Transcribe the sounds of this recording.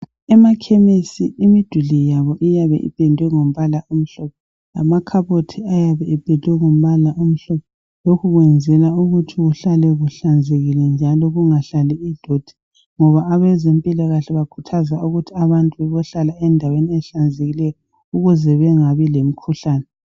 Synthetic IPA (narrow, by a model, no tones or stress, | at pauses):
ɛmakʰemisiʔimid̥ʱuɮijaβɔʔijaβɛ̰ʔḭb̥ʱɛndʱwɛŋom̩βalaʔum̩ɬɔp̚ʰɔ | a̰makʰaβotʰiajaβɛɛb̥ʱɛndʱwɛŋom̩βalaʔum̩ɬɔpʰɔ | lokʰuɣwɛnd͡zʱɛlauɣutʰiɣuɬalɛɣuɬand͡zʱeɣilɛnd͡ʒʱalɔɣuŋaɬaliiɮod̥ʱi̥ | ŋɔβaːβɛzempʼilaɣaɬɛβakʰu̥tʰazauɣutʰiaβantʼuβɛβɔɬalaɛndʱaweniɛɬand͡zʱeɣilɛjɔ | uɣuzɛβɛŋaβilem̩kʰuɬaːnɛ